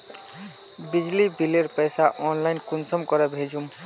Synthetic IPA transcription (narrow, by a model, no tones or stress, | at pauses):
bid͡ʒlibileɾpəjsaʔɔnlaɪnkunsɔmkɔɾɔbʱed͡ʒʱum